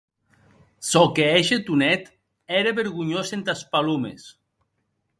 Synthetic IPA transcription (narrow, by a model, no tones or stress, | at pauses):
sɔkeeʃet̪unɛt̪ | ɛɾeβeɾɣuɲosent̪aspalumḛs